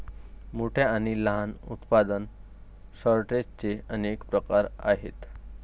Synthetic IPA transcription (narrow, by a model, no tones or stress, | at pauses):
moʈʰeaɽ̃iləɦanṵt̪pad̪ən | səɾʈed͡ʑt͡seənekpɾəkaɾa̰ɦḛt̪